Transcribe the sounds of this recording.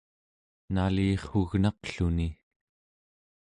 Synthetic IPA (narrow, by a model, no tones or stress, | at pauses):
naliːχuɣnɑqɬuni